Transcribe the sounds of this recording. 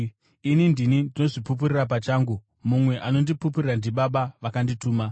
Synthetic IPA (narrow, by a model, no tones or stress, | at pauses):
inindinindino̞ʐipup̬uɾirapat͡ʃaːŋɡu | mumwe̞ʔano̞ndipup̬uriɾandiɓaɓaʋakandituːma